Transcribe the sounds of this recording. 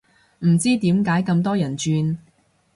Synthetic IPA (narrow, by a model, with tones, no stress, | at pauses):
m̩˨˩t͡siː˥t̪iː˨˥mkaː˨˥jkɐ˧mt̪ɔː˥jɐ˨˩nt͡ʃyː˧n